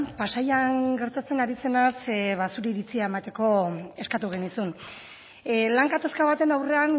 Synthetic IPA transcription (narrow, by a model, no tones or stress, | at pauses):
pasajaŋɡe̞ɾt̪at͡se̞naɾise̞nasβasuɾeiɾit͡siae̞mat̪e̞ko̞e̞skat̪uɣe̞nisun | laŋɡat̪askaβat̪e̞nawre̞an